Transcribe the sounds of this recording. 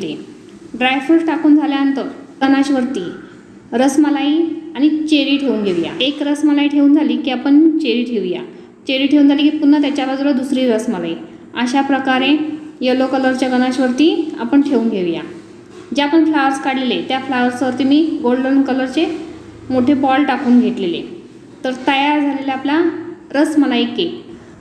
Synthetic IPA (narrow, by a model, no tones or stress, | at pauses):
le | ɖɾajfusʈakuːnd͡zʱaljaənt̪əɾɡənaɕʋəɾt̪iː | ɾəsməlaiaɽ̃it͡ɕeɾiːʈʰeuːnɡʱeʋja̰ekɾəsməlaiʈʰeuːnd͡zʱaliːkiːapəɳit͡ɕeɾiːʈʰeʋja̰ | t͡ɕeɾiːʈʰeʋuːnd͡zʱaliːkipunːət̪jat͡ɕjabad͡zuɾəd̪usɾiːɾəsməla̰i | əɕapɾəkaɾẽjəlokələɾt͡ɕjaɡənaɕʋəɾt̪iːa̰pəɳʈʰeuːnɡʱeʋja̰ | d͡ʑeapəɳflaəɾskaɽlelet̪jaflaʋəɾsʋəɾt̪iːmiːɡolɖəɾmkələɾt͡ɕe | moʈʰebɔlʈakuːnɡʱeʈlelḛ | t̪əɾt̪əjaɾd͡zʱalelaaplaɾəsməlaikːe